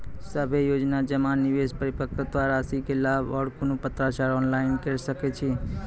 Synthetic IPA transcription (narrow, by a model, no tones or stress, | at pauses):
səbʱejod͡ʒnad͡ʒəmaniʋespəɾipəkʰəd̪ʋaɾasikelabəɽkonũpət̪ɾat͡ʃaɾɔnlaɪnkeɾʃəket͡ʃʰi